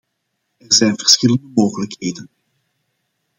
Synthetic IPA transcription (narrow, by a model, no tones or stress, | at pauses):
ɛrzɛjnvərsxɪləndəmoːɣələkɦeːdən